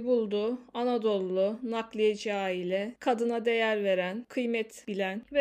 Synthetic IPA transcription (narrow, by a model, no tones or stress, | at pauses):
bulˠd̪ʊanad̪o̞lˠːʊnaklˠɯjad͡ʒaːilʲɛkʰad̪ɯnad̪e̞jæɾve̞ɾænkʰɯjmɛt̪bilʲænvɛ